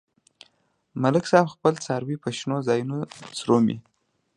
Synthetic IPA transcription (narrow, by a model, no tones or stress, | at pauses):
malɪksɑbxpəlt͡sɑɾwipaʃnozɑjunot͡sɾomḭ